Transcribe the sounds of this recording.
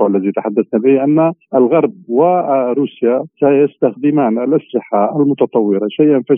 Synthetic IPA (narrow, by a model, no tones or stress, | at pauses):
ʔlːæzit̪aħad̪ːæsnabɪhʔænːaʔəlɣɑɾˤb̚waɾuːsjat̪ajəst̪axd̪ɪmaːnəlʔaslɪħaəlmʊt̪ɑt̪ˤɑwːɪɾaʃajʔənfi